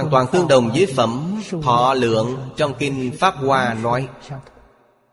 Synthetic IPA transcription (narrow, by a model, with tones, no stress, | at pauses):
aː˨˩nt̪waː˨˩nt̪ɨ˧əŋɗə˨˩wŋ͡mzəː˨˦jfə̰˧˩mt̪ʰɔ̰˧˩lɨ̰˧˨əŋt͡ɕɔ˧wŋ͡mki˧nfaː˦˥p̚kwaː˧nɔ˨˦j